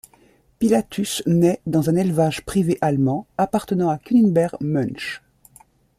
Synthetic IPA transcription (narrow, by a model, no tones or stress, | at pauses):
pilat̪ʰysnɛd̪ɑ̃zɛ̃nɛlvaʒpχiveʔalmɑ̃apaʁt̪ənɑ̃akʲyninbɛʁɡmœnʃ